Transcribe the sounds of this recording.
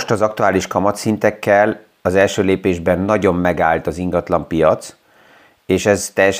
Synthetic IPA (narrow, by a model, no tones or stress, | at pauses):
ʃt̪ɒzɒkt̪uaːliʃkɒmɒt̪sint̪ɛkːɛl | ɒzɛlʃøːleːpeːʒbɛnːɒɟo̞mːɛɡaːlt̪ɒziŋɡɒt̪lɒmpijɒt̪s | eːʃɛzt̪ɛjɛʃ